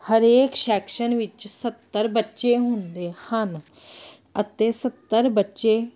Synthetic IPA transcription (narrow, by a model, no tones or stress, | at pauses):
həɾeːkʃɛːkʃənʋɪt͡ʃsət̪ːəɾbətːʃeːɦʊnd̪eːhən | ət̪eːsət̪ːəɾbətːʃeː